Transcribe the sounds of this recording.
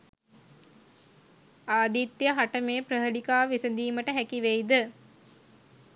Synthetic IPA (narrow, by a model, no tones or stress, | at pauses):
aːd̪it̪ːjɐɦaʈɐmeːpɾɐɦɐlikaːʋisɐd̪iːmɐʈɐɦækiʋejd̪ɨ